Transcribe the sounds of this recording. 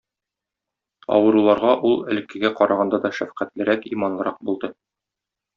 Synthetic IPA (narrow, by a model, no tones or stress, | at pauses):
ɒ̰wɤ̆ɾulˠɑɾʁɑʔulˠɘ̰̆lɘ̆kɘ̆ɡæqɒɾʔɑʁɑnd̪ɑd̪ɒʃæfqæt̪lɘ̆ɾækimɑnlˠɤ̆ɾɑq̚bulˠd̪ɤ